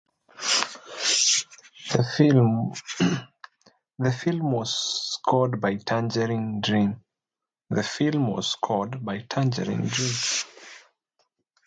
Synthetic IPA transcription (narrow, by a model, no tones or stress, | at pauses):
ðə | ðəfilˠmwɔz̥skʰɔdbaɪtʰãnd͡ʒəɹĩŋdɹĩm | ðəfilˠmwɔ̰z̥skʰɔdbaɪtʰãnd͡ʒə̰ɹɪ̰̃ŋdɹĩm